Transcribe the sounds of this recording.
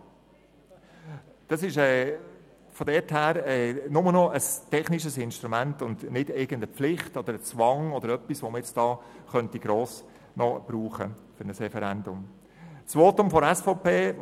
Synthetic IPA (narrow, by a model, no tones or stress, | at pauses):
d̥ɑsɪʃɛː | fɔd̪ɛthæːɾɛːnʊmənɔʔəstʰɛχnɪʃəsɪnʃtɾumæntʊndnɪdɪɡəndəpflɪχtɔd̥̪əɾət͡sʋɑŋɔd̪əɾœpːisʋoməjɛt͡sd̥ɑːχœntiɡ̥ɾoːs | nɔb̥ɾuːχə̰fʏnəsɾɛfɛɾɛndʊm | sʋoːtʊmfɔɾɛsfɔpeː